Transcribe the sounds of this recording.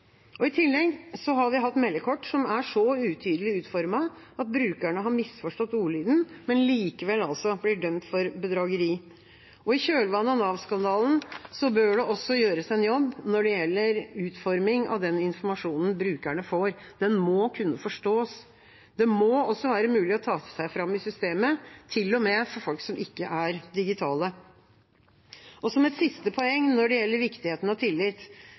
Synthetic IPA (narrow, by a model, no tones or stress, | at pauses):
ɔɪt̪ʰɪlːɛɡsɔɦɑɾʋɪɦɑt̪ːmɛlːəkʰɔʈːsɔmæʂɔʉːt̪ʰyːd̪əlɪʉːt̪fɔɾmɑ | ɑt̪̚bɾʉːkæɳəɦɑɾmɪsfɔʂʈɔt̪ːuːliːd̪n̩mɛnliːkəʋɛlːɑlsɔblɪɖœmt̪fɔɾbəd̪ɾɑːɡəɾiː | ɔɪçøːlʋɑnːəɑnɑʋskɑnd̪ɑːln̩sɔbøːɖɛʔɔsːɔjøːɾəsɛnjɔbːnɔɖɛjɛlːəɾʉːt̪fɔɾmɪŋɑ̰ʋd̪ɛnɪnfɔɾmɑʂuːnn̩bɾʉːkæɳəfoɾd̪̥ɛnmɔːkʰʉnːəfɔʂʈoːs | d̪̥ɛmoɔsːɔʋæːɾəmʉːlɪɔt̪ʰɑːsæɪfɾɑmːɪsʏst̪eːmət̪ʰɪlːɔmɛfɔɾfɔlksɔmʔɪkːəʔæɾd̪ɪɡɪt̪ʰɑːlə | ɔsɔmɛt̪sɪst̪əpʰɔɛŋːnɔɖɛjɛlːəɾʋɪkt̪ɪheːt̪n̩ɑt̪ʰɪlːɪt̪